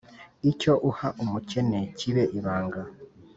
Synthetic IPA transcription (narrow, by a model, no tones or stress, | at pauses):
ico̞ʔuhaʔumuce̞neciβeʔiβaːŋɡa